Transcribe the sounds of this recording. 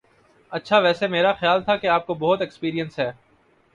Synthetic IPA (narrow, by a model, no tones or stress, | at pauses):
ɐtːʃʰaʋɛːsemeːɾaxjaːlt̪ʰakeaːp̚kobɔɦʊt̪ekspiːɾijə̃nsɦɛː